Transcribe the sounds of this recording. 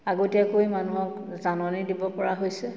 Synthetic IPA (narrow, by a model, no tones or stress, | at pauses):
aɡotiakojmanuɦɔk | zanɔnidibɔpɔɹaɦojsɛ